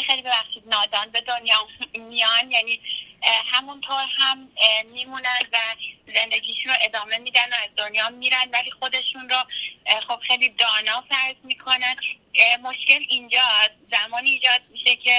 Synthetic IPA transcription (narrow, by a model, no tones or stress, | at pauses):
xejlibevæxʃiːd̪̚nɒːd̪ɒːnbe̞d̪onjɒːmijɒnjæni | hæmunt̪ʰoːɾhæmmiːmunænd̪væze̞nd̪e̞ɟʲiːʃunɾoʔe̞d̪ɒːme̞miːd̪ænoæzd̪o̞njɒːmiːɾænd̪væliːxo̞d̪e̞ʃunɾoxob̥xejlid̪ɒːnɒːfæɾzmiːkʰo̞næn | mo̞ʃce̞lind͡ʒɒː | zæmɒːniːd͡ʒɒːd̪̚miʃecʰe̞